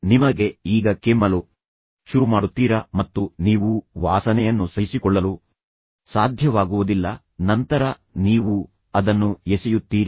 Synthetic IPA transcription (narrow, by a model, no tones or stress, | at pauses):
nimɐɡe̞iːɡɐkemːɐlu | ʃuɾumaːɽut̪ːiːɾɐmɐt̪ːuniːʋuʋaːsɐnɛjɐnːusɐjsikɔɭːɐlu | saːd̪ʱjɐʋaːɡuʋud̪ilːɐ | nɐnt̪ɐɾɐ | niːʋu | ɐd̪ɐnːujesɛjut̪ːiːɾi